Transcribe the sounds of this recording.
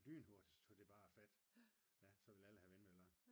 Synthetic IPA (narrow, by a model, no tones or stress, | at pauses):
ly̰ːn̩ɦo̝ɐd̥ist͡sʰod̥e̝b̥ɑ̈ːæfæd̥ | jæsɒ̽ʋe̝læləhæʋenmølɐ